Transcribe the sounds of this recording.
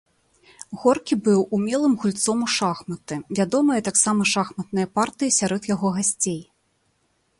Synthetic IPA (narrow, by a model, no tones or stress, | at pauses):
ɣɔrkʲibɨwumʲɛlˠɨmɣulʲt̪sɔmuʂaxmɐt̪ɨvʲad̪ɔmɨjɐt̪aksamɐʂaxmɐt̪̚nɨjɐpart̪ɨjisʲaɾɔt̪jaɣɔɣasʲt͡sʲej